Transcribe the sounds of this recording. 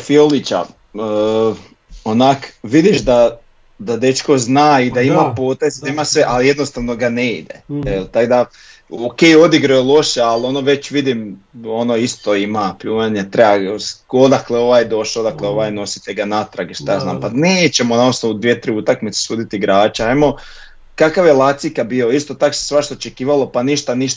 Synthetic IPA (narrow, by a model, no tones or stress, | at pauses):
fiolit͡ɕa̰ | ə | onakʋid̪iʃd̪a | d̪ad̪e̞t͡ʃko̞znaːid̪aimapo̞ːt̪ezd̪aimasʋeʔalije̞d̪no̞st̪aʋno̞ɡaneḭd̪ḛelt̪aɡd̪a | okejo̞d̪iɡɾojelˠo̞ʃealo̞noʋe̞t͡ɕʋid̪imo̞noist̪oimapuːʋaɲet̪ɾebasod̪akleo̞ʋaːjed̪o̞ʃaod̪akleo̞ʋaːjno̞si̥t̪eɡanat̪ɾaɡeʃt̪ajaːznaːmpaneːt͡ɕe̞monaosno̞ʋud̪ʋiet̪ɾiut̪akmit̪se̥suːd̪it̪iiɡɾaːt͡ʃaemo̞ | kakaʋje̞lˠat̪sikabio̞ist̪o̞t̪akose̥sʋaʃt̪oot͡ʃe̞kiːʋalo̞paniʃt̪aniʃt̪